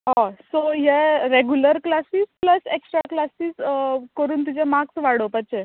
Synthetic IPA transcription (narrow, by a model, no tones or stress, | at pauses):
ɦãsoɦeɾeɡjuləɾklasiːspləseksʈɾa̰klasiːskəɾuːnt̪̬id͡ʑemaksʋaɽopət͡ɕe